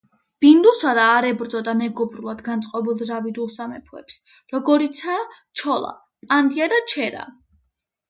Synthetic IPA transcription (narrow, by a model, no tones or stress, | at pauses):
b̥ind̪usaɾaːɾɛbɾd̪zɔd̪amɛɡɔbɾulˠad̪ɡant̪sʼqʼɔbilˠd̪ɾavid̪ulˠsamɛpʰuɛ̰ps | ɾɔɡɔɾit̪sʰaː | t͡ʃʰɔlˠa̰ | pʼand̪iad̪at͡ʃʰɛɾa̰